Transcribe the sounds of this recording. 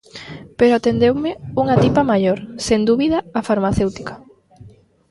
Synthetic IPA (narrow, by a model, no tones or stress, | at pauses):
peɾoat̪end̪ewmɪuŋat̪ipɐmajoɾseŋd̪uβiðɐːfaɾmaθewt̪i̥kḁ